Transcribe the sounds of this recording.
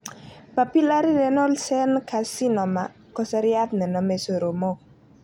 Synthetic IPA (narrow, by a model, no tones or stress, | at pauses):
papilaɾiɾɛnɔlsɛnkʰasinɔma | kɔsaɾiat̪̚nenɔmesoɾomo